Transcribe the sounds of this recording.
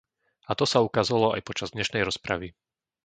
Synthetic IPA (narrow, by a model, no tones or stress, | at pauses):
at̪ɔsaukazalɔa̰jpɔt͡ʃazd̪ɲɛʃnɛjɾɔspɾa̰ʋi